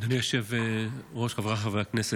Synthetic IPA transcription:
aniaʃeveʁoʃkavʁaχaveaknese

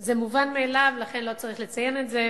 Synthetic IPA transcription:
zemuvanmeːlavlaχenlo̞t͡saʁiχlet͡sajenetze

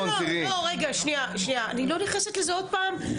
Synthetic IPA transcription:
olioʁeɡaʃniaʃniaanilo̞niχneset̪lezeod̚paːm

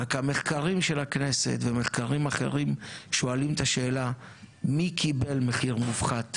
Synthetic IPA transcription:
akhame̞χkaʁimʃe̞laknese̞̰t̪veme̞χkaʁimaχe̞̰ʁimʃo̞alimt̪aʃe̞ːla | mikʰibe̞lmeχiʁmufχat̪

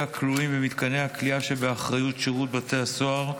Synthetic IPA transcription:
akluimvemit̪kanehakliaʃebeaχʁajutʃeʁut̪̚bat̪easoaʁ

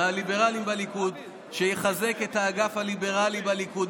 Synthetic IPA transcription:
alibe̞ʁalimbalikud | ʃejeχaze̞ketaːɡafhalibe̞ʁalibalikud

